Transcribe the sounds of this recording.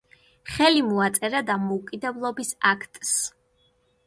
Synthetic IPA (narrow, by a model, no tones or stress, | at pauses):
χɛlimɔat̪sʼɛɾad̪amɔukʼid̪ɛblˠɔbisakʰt̪ʼs